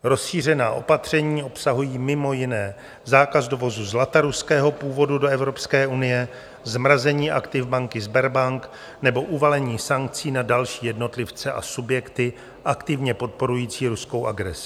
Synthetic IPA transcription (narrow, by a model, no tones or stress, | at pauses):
ɾo̞sʃiːr̝ɛnaːʔo̞pat̪r̝̥ɛɲiːo̞psaɦujiːmɪmo̞jɪnɛː | zaːkazdo̞vo̞zuzlat̪aɾuskɛːɦo̞puːvo̞dudo̞ɛvɾo̞pskɛːunɪjɛ | zmɾazɛɲiːʔa̰kt̪ɪvbaŋkɪzbɛɾbaŋk | nɛbo̞ʔuvalɛɲiːsaŋk̚t͡siːnadalʃiːjɛdno̞t̪lɪft͡sɛʔa̰subjɛkt̪ɪ | ʔakt̪ɪvɲɛpo̞t̪̚po̞ɾujiːt͡siːɾusko̞wʔaɡɾɛsɪ̥